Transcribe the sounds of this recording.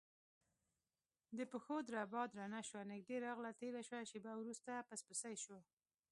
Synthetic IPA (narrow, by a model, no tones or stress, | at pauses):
d̪əpəxod̪ɾabɑd̪ɾanaʃwanɪɡ̚ɖeɾɑɣlat̪eɾaʃwaʃebawɾust̪apaspəsajʃwa